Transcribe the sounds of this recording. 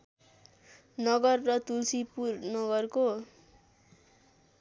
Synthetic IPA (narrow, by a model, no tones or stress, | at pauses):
nʌɡʌrːʌt̪ulsipurnʌɡʌrko